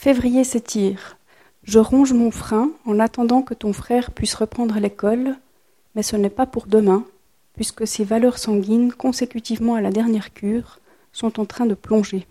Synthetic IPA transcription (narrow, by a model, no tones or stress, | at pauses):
fevʁijesɛt̪ʰiːʁ | ʒəʁɔ̃ʒmɔ̃fχɛ̃ɑ̃nat̪ɑ̃d̪ɑ̃kət̪ɔ̃fχɛːʁpɥisʁəpχɑ̃d̪ʁəlekɔl | mɛsənɛpapuʁd̪əmɛ̃ | pɥiskəsevalœʁsɑ̃ɡʲinkɔ̃sekʲyt̪ivmɑ̃alad̪ɛʁnjɛʁkʲʰyːʁ | sɔ̃t̪ɑ̃t̪χɛ̃d̪əplɔ̃ʒe